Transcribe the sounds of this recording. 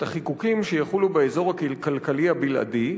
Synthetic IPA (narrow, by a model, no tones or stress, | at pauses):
t̪aχikukimʃejaχulubeezo̞ʁakikalkalihabilʔa̰di